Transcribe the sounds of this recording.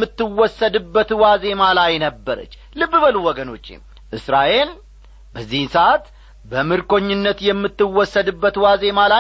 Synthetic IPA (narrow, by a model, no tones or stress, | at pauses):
ɨt̪ːɨwɔsːəd̪ɨbːət̪waze̞malajnəbːəɾə̰t͡ʃː | lɨbːɨbəluwɔɡəno̞t͡ʃːḛ | ʔɨsɾaʔe̞l | bəzːihnsəʔat̪ | bəmɨɾkʰo̞ɲːɪnːət̪jɛmːɨt̪ːɨwɔsːəd̪ɨbːət̪waze̞mala